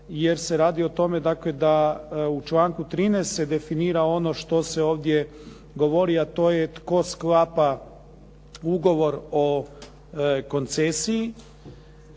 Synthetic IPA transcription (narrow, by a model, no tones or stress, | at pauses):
jeɾseɾaːd̪io̞t̪o̞med̪akle̞d̪aut͡ʃlˠaːŋkut̪ɾiːnest̪sed̪e̞finiːɾao̞no̞ʃt̪o̞seo̞ːʋd̪je | ɡo̞ʋo̞ɾiat̪o̞ːjet̪ko̞sklˠapa | uɡo̞ʋo̞ɾo̞ | ko̞nt̪sesii